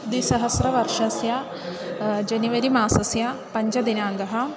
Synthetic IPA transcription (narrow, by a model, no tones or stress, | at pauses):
d̪isɐɦɐsɾɐʋɐɾʃɐsjɐ | d͡ʒɐniʋɐɾimaːsɐsjɐpɐɲd͡ʒɐd̪inaːŋɡɐɦɐ̆